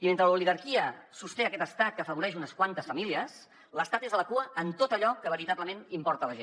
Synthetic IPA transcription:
iment̪ɾəluliɣəɾkiəsust̪eəkɛt̪əst̪at̪̚kəːfəβuɾɛʃunəskwant̪əsfəmiliəs | ləst̪at̪ezələkuəʔənt̪ot̪əʎɔkəβəɾit̪aβləmenimpɔɾt̪ələʒen

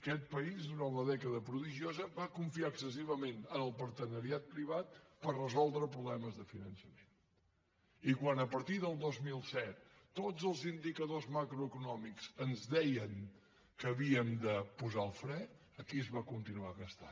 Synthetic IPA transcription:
əkɛt̪̚pəizðuɾanləðɛkəðəpɾuðiʒiozəβakuɱfiaəksəsiβəmenənəlˠpəɾt̪ənəɾiat̪̚pɾiβ̞at̪pərrəzɔlˠd̪ɾəpɾuβlɛməzðəfinənsəmen | ikwanəpəɾt̪iðəlˠd̪ozmilˠsɛt̪̚ː | od͡zəlˠzind̪ikəðozmakɾuəkunɔmiksənzdɛjəŋ | kəːβiəmd̪əpuzaəlˠfɾɛ | əkiəzβakunt̪inuaɣəst̪a̰n

